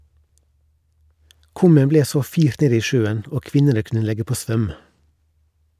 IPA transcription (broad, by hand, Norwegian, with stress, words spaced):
ˈkʉmən ˈbleː ˈsoː ˈfiːɾt ˈneːd ˈiː ˈʃøːən ˈoː ˈkʋɪnənə ˈkʉnə ˈlɛɡə ˈpoː ˈsʋœm